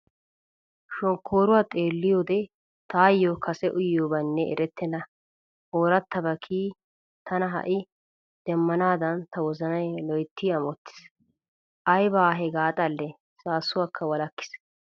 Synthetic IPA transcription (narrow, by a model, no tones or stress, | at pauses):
ʃɔŋkʰːoːɾʊwaːt̪ʼeːlːɪjo̞ːd̪ɛ | t̪aːjːokʰɐsɛʔʊjoːbɐnːɛɛ̰ɾɛt̪ʰːɛnɐ | oːɾɐt̪ːɐbɐkʰiː | t̪ɐnɐɦɐ̰ʔɪ | d̪̥ɛmːɐnaːd̪ɐnt̪ɐwɔzɐnɐjlɔjt̪ːiɐmɔt̪ːɪ̥s | ʔɐjbaːɦɛɡaːt̪ʼɐlːɛ | saːsːʊwɐkʰːɐwɐlɐkːɪ̥s